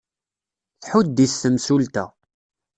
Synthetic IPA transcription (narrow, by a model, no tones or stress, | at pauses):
θħud̪̚d̪isθəmsult̪æ̰